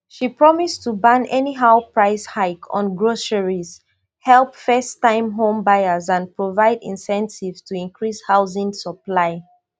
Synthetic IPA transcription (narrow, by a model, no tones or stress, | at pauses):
ʃipɹɔmistubãnɛniɦaʊpɹaɪshaɪkʰɔ̰̃nɡɹosəɹiz | hɛlˠpfɛstãɪ̃mɦõmbaɪəzãnpɹovaɪdḭ̃nsɛ̃ntivstʰuĩnkɹishaʊzɪ̃ŋsəplaɪ